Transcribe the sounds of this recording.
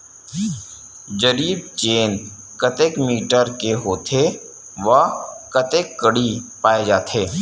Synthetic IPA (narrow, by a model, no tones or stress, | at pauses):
d͡ʒəɾiːb̚t͡ʃeːn | kət̪eːkmiːʈəɾkeɦoːt̪ʰe | ʋɐkɐt̪eːkːəɽipaːed͡ʒaːt̪ʰeː